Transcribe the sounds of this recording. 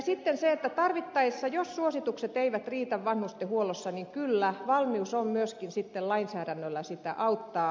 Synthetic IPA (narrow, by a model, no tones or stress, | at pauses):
sit̪ːenseet̪ːæt̪ɑrʋit̪ːɑisːɑjossuosit̪ukset̪eiʋæt̪riːt̪æʋʋɑnhust̪ehuolosːɑniŋkylːæʋɑlmiusommyøskinsit̪ːellɑinsæːɾænːølːæsit̪æʔɑut̪ːɑː